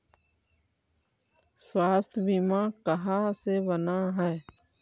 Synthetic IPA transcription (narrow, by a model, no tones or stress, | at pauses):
swaːst̪ʰbimãːkəɦasebənaɦɛː